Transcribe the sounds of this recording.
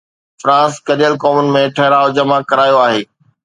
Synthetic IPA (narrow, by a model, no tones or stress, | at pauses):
fɾãːskɐɾijəlkoːmʊnɪ̆mẽʈʰɐɦɪɾaːod͡ʑɐmakɐɾaːjoaːɦeː